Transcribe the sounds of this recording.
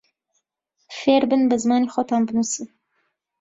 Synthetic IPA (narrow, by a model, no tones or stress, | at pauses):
feːɾbɨnbəzmɑːnixot̪ʰɑːmbɨnusi